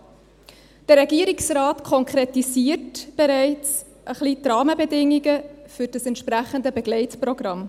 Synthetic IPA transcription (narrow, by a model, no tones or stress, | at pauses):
d̥əɾɛɡiəɾiksraːtkʰɔŋkʰɾetisiːəɾtb̥ɛɾɛɪt͡s | ʔəχlitrɑːməbɛdɪŋːiɡəfʏɾd̥əsɛntʃpɾæχəndəbɛɡlɛɪtprɔɡ̥rɑm